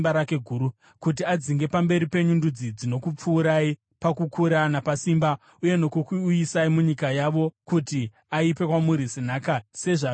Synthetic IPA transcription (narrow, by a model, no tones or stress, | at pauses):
baɾake̞ɡʱuːɾu | kut̬iad͡ziŋɡe̞pambe̞ɾipe̞ɲundud͡zid͡zino̞kup͡fuːɾai | pakukʰuɾanapasiːmba | uje̞no̞kukuuisaimuɲikajaʋo̞kuti | aipe̞kwamuɾisinaːkase̞ʐa